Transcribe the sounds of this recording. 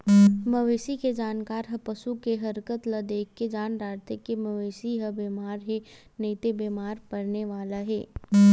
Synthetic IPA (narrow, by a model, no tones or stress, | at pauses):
mɐʋeːsiked͡ʒaːnkaːɾɦɐpəsukeɦɐɾkət̪lɐd̪eːkːed͡ʒaːnɾaːɾt̪ekemɐʋeːsiɦɐbemaːɾɦe | neːt̪ebeːmaːɾpɐɾneʋaːlaɦɛ̰ː